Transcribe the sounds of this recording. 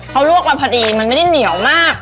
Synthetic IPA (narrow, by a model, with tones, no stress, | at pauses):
kʰa˦˥wɾu˥˩ək̚waː˥˩pʰa˧diː˧ma˧nm˥˩da˥˩ni˨˩˦əwmaː˥˩k̚